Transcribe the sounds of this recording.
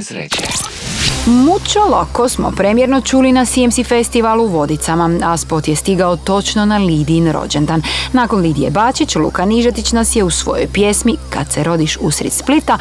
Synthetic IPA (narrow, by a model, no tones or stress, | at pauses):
mut͡ʃolokosmo̞̰pɾemje̞ɾno̞t͡ʃuːlinasiemsifest̪iʋaluʋo̞d̪it̪samaaspot̪jest̪iɡaot̪o̞t͡ʃno̞naliːd̪inɾo̰d͡ʑend̪anːaːko̞nliːd̪iḛbaːt͡ʃit͡ɕlṵːkaniʒat̪it͡ɕnasje̞usʋo̞̰jo̰jpje̞smika̰d̪seɾo̞d̪iʃusɾḭt̪split̪a